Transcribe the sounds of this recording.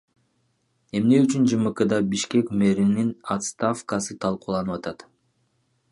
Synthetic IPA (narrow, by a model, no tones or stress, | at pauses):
e̞mne̞yt͡ʃynd͡ʒɯmɯqɯd̪ɑbiʃke̞kme̞ɾininat̪st̪afkɑsɯt̪ʰɑlˠquːlˠɑnɯpɑt̪ɑt̪